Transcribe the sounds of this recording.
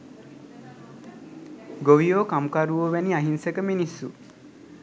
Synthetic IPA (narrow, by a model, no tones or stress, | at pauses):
ɡoʋijoːkamkaɾuʋoːʋeniɐɦinsekəminisːu